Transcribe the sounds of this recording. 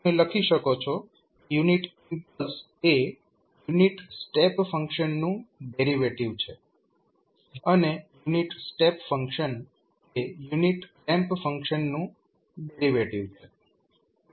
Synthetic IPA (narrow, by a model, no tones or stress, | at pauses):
əeləkʰiʃəkot͡ʃʰo | kejuniʈimpəls | e | juniʈsʈepfəŋkʃənːũɖeɾiʋeʈiʋt͡ʃʰe | ənejuniʈsʈepfəŋkʃən | ejuniʈkɛ̃mpfəŋkʃənːũ | ɖeɾiʋeʈiʋt͡ʃʰe